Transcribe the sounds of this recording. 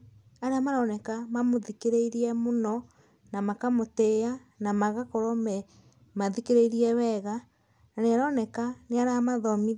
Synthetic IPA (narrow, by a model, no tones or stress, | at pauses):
aɾeamaɾɔːnɛkamamoðikeɾeiɾiɛmonɔ | namakamotea | namaɣakɔɾɔmɛ | maðikeɾeiɾiɛwɛɣa | naneaɾanɛkaneaɾamaðɔmi